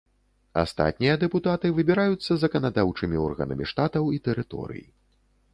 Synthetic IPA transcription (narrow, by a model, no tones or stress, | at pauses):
a̰st̪a̰t̪̚ʲnʲijɐd̪ɛput̪at̪ɨvɨbʲiɾajut̪sːɐzɐkɐnad̪awt͡ʂɨmʲiɔrɣɐ̰nɐ̰mʲiʂt̪at̪ɐwit̪ɛɾɨt̪ɔ̰ɾɨ̰jḭ